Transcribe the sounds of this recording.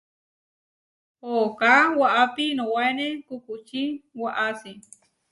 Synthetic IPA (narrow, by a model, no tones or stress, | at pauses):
hokawaʔapinõwaenekukut͡ʃiwaʔasi